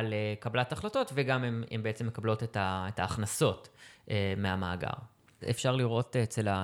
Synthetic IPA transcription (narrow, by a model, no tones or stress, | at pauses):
alekablataχlato̞tveɡamemḛmbeet͡se̞mːekablo̞tetaetaːχnaso̞tʔemeamaːɡa̰ʁ | efʃaʁliʁo̞tet͡sela